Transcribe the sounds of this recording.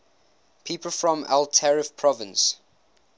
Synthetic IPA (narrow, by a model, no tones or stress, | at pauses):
pʰiːˑpəlfɹɔ̃ma̰ltʰɛɹɪfpʰɹɔvə̃ns